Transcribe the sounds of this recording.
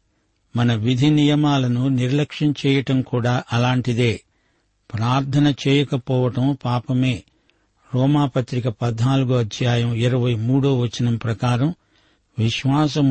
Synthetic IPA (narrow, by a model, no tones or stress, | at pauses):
mɐnɐʋid̪ʱinijɐmaːlɐnuniɾlɐkʂɐnt͡ʃɛːjɐʈɐmkuːɽaːʔɐlaːɳʈid̪e̞ː | pɾaːɾt̪ʰɐnɐt͡ʃɛːjɐkɐpɔːʋɐʈɐmpaːpɐme̞ː | ɾɔːmaːpɐt̪ɾikɐpɐd̪naːluɡuɐd̪ʱjaːjɐmiɾɐʋɐjmuːɽoːʋɐt͡ʃːinɐmpɾɐkaːɾɐm | ʋiʃʋaːsɐm